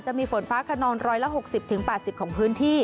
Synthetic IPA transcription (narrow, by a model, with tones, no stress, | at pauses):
t͡ɕa˨˩ʔmiː˧fo˩˦nfaː˦˥kʰa˧nɔː˧nɾɔː˧˥jla˦˥ɦo˨˩k̚si˨˩p̚t̪ʰɯ˩˦ŋpɛː˨˩t̪̚si˨˩kʰɔː˩˦ŋpʰɯː˦˥nt̪ʰiː˥˩